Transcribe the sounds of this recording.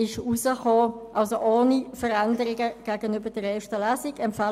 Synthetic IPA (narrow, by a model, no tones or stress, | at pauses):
ɪʃusəχoːʔɑlsoʔoːnifəʁɛndəʁɪɡəɡ̥æːɡənybəd̥əʁɛːʃtəlæːsɪɡɛmpfa